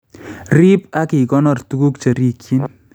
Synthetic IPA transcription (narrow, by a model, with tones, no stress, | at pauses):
ri˦p̚a˦ki˨kɔ˦nɔ˨rtu˦ku˦kt͡ʃa˨ɾi˦kji˦n